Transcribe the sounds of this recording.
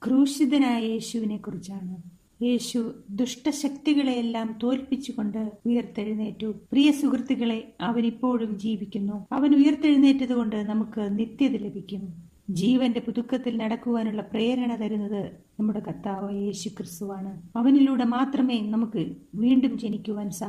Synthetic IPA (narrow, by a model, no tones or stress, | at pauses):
kruːɕid̪ɐnaːjɐje̞ːɕuʋine̞kːurit͡ɕːaːɳɨ | je̞ːɕud̪ruʂʈɐɕɐkt̪iɣɐɭeelːaːmt̪o̞ːlpit͡ɕːuɣo̞ɳɖɨujɐrt̪ːeɻunːe̞ːtːuprijɐsukrɨt̪ːiɣɐɭe̞ɐʋɐnipːo̞ːɻumd͡ʑiːʋikʲːunːuɐʋɐnujɐrt̪e̞ɻunːe̞ːtːɐðuɣo̞ɳɖɨnɐmukːɨnit̪jɐðile̞bʱikʲːum | d͡ʑiːʋɐnde̞puðukːɐt̪ːilnɐɽɐkːuʋaːnuɭːɐpre̞ːɾɐɳɐt̪ɐɾunːɐðɨ | nɐmːuɽe̞kɐt̪ːaːʋɐje̞ːɕukrist̪uʋaːɳɨɐʋɐniluːɽe̞maːt̪rɐme̞ːjnɐmukːɨʋiːɳɖumt͡ɕe̞nikʲːuʋaːnsaː